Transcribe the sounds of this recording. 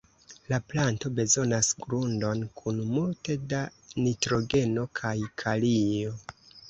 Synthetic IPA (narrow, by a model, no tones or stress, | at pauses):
laplanto̞be̞zo̞nasɡɾundo̞nkʰunmulte̞danitɾo̞ɡe̞no̞kʰajkʰalio̞